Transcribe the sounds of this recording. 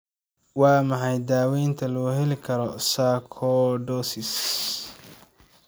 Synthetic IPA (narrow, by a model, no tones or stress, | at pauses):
wɑːmɑħɑjd̪aːwɛjnt̪ʰɐlɔːɦɛlɪkʰɐɾɔsaːkʰɔɖɔːsɪs